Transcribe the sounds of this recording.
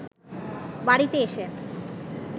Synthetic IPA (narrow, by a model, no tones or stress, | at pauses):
baɽit̪eeʃe